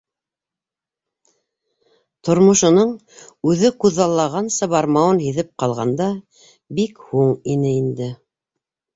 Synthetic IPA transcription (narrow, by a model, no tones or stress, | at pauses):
t̪ŏɾmŏʃŏnɤɴ | ʉðɘkʉðːɑlˠːɑʁɑnsɤ̆βɑɾmɑwɤnhiðɘp̚qɑlˠʁɑnd̪ɑ | bikhuɴinɘind̪ɘ